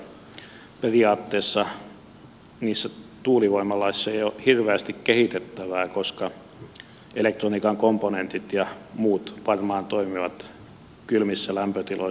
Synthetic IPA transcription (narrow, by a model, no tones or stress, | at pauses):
periɑːt̪ːeːsːɑ | niːsːæt̪uːliʋoimɑlɑisisːɑejohirʋeæst̪ikkehit̪et̪ːæʋæːkoskɑ | elek̚t̪roniːkɑŋkomponent̪it̪jɑmuːt̪ʋɑrmɑːnt̪oimiʋɑt̪ | kylmisːælæmpøt̪ilo̰